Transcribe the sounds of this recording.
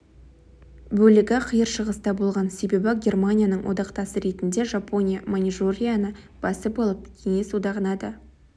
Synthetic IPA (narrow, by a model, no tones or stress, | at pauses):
bɵlɪɡʲɪqʰəjəɾʃəʁəst̪ɑbo̞lˠʁɑnse̞be̞bɪɡʲe̞rmanʲijanəɴwʔo̰d̪ɑqt̪ɑsəɾe̞t̪ɪnd̪e̞ʒapʰo̞nʲijamonʲiʒoɾʲijanə | b̥ɑsəbo̞lˠəp̚kʲʰe̞ŋe̞sud̪ɑʁənɑd̪ə